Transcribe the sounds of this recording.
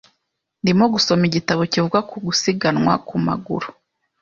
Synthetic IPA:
ndimoɡuso̞miɟitaβocivuɡakuɡusiɡanŋwa̰kuma̰ɡṵɾu̥

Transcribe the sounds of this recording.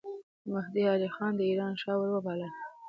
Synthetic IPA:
mʊhd̪iɑlixɑnd̪əiɾɑnʃɑwəɾwəbɑlə

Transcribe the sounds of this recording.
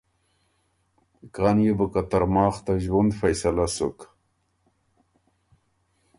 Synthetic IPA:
kaːnjebəkat̪aɾmɑːχt̪aʒwund̪fajsalasṵk

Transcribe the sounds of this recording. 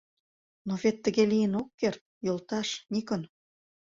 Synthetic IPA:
novet̪ːəɣelijənokːert̪̚jolˠt̪ɑʃnʲikən

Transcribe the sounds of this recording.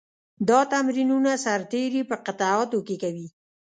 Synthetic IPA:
d̪ɑt̪amɾinunasaɾt̪eɾepəqɪt̪ɑɑt̪okekawi

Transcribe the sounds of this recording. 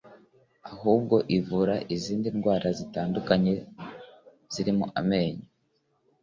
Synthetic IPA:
ahuːbɡo̞ʔivuɾaʔiziːndinɡwaːɾʔazitaːndukaɲe̞ | z̥iɾimuʔame̞ːɲa

